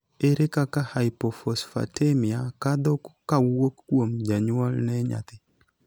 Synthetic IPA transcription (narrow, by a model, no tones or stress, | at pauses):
eɾekakahajpɔfɔsfa̰temiakad̪ɔkkawokːwomd͡ʒaɲwalnɛɲa̰t̪ɪ